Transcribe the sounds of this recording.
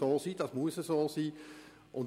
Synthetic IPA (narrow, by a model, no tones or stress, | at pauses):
oːsidɑsmuəsəsosiː | ʔʊ̃n